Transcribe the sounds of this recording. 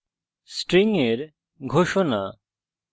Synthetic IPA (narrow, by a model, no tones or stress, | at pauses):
sʈɾiŋeɾ | ɡʱoʃɔna